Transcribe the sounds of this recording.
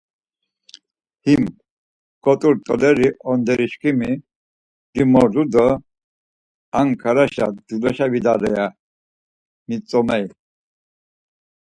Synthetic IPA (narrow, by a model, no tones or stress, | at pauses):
him | kʼɔt̪ʼuɾt̪ʼɔ̰lɛɾiʔɔnd̪ɛɾiʃkʰʼimi | d̪imɔɾd̪ud̪ɔ | aŋkʰaɾaʃad̪ulɔʃavid̪aɾɛja | mit͡sʼɔmɛj